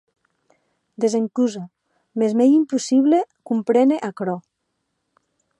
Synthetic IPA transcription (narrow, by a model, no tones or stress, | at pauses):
d̪ezeŋkuza | mezmejimpusiβlekumpɾeneʔakɾɔ